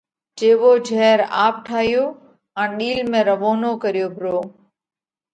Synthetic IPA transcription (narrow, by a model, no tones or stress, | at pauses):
t͡ʃeːʋod͡ʒʱɛːɾaːp̚ʈʰaːɦijoː | ɛ̃ːɗiːlmẽɾɐʋoːnokɐɾijoːbʱɪɾoː